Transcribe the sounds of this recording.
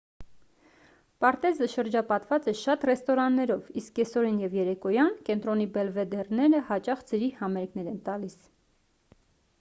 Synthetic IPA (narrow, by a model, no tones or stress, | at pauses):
pɑɾt̪ɛzəʃəɾd͡ʒɑpɑt̪vɑt͡sɛʃɑt̪rɛst̪ɔɾɑnːɛɾɔviskːɛsɔɾinjɛvjɛɾɛkɔjɑnkɛnt̪ɾɔnibɛlvɛd̪ɛrnɛɾəhɑt͡ʃɑχd͡zəɾihɑmɛɾknɛɾɛnt̪ɑlis